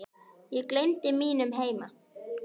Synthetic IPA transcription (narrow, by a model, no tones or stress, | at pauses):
jɛkleɥjnt̪ɪmiːnʏmɦeːjma